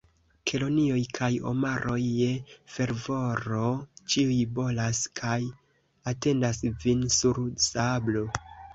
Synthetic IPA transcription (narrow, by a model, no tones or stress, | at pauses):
kʰe̞lo̞nio̞jkʰajo̞̰maɾʔo̞jːefe̞ɾvo̞ɾo̞t͡ʃiujbo̞laskʰaj | ate̞ndasvinsuɾsablo̞